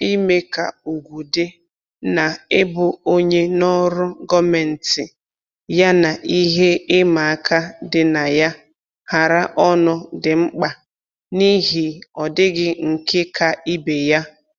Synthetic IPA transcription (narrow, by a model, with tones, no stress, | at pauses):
i˦me˦ka˨u˨ɡʷu˨dɪ˦ | na˨ɪ˦bʊ˨o˦ɲe˦nɔ˦ɾʊ˦ɡɔ˦me˨n̩˨tɪ˨ | ja˦na˨ʔi˦ɦe˦ɪ˦ma˨a˦ka˦dɪ˨na˨ja˦ | ha˨ɾa˦ʔɔ˦nʊ˦dɪ˨ŋ͡m̩˦k͡pa˨ | ni˦ɦi˨ɔ˨dɪ˦ɡɪ˦ŋ̩˨kɪ˦kʰa˨i˦be˨ja˦